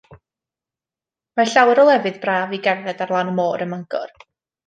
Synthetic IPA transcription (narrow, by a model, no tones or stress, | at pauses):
maɬawɛɾɔlˠɛvɨðbraːviɡɛrðɛdarlˠaːnmoːɾəməŋɡɔ̰r